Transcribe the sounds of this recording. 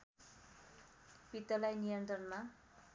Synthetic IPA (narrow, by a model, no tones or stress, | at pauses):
pit̪ːʌlajnijʌnt̪rʌnma